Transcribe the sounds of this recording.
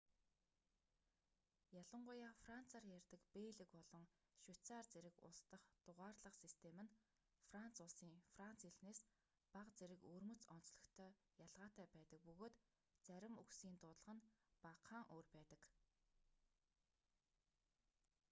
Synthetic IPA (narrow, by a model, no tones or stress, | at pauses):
jaɮə̆ɴɢʊjaːfran̥t͡sʰaːrjærʲt̪ə̆kpeːɮɘ̆kpɔɮɞ̆ŋ | ʃʊt͡saːrt͡seɾɘ̆kʊ̰st̪ə̆χt̪ʊʁaːrɮə̆qsist̪ʰemɘ̆n | fran̥t͡sʊɮsiːŋfran̥t͡seɮneːs | paqt͡seɾɘ̆kɵːrmɵ̆t͡sɔn̥t͡sɮə̆xt̪ʰœː | jaɮʁaːt̪æːpæːt̪ə̆k̚pɵɣoːt̪ | t͡sæɾʲɪ̆muksiːnt̪ʊːt̪ɮə̆ʁə̆npaqʰaːŋʔoːrpæːt̪ə̆k